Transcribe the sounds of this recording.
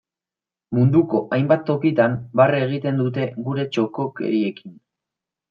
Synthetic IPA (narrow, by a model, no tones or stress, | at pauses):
mund̪uko̞ʔajmbat̪ːo̞kit̪ambareɣ̞it̪e̞nd̪ut̪̬e̞ɣuɾe̞t͡ʃo̞ko̞ke̞̰ɾie̞kin